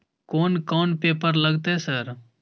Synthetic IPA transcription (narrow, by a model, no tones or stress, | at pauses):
koːnkɔːnpeːpəɾlɐɡt̪ɛsəɾ